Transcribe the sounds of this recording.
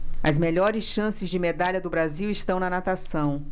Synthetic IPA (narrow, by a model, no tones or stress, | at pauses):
ɐzmeʎɔɾɪsʃɐ̃sɪzd͡ʒɪmed̪aʎɐd̪ʊbɾaziwɪst̪ɐ̃w̃nɐnat̪asɐ̃w̃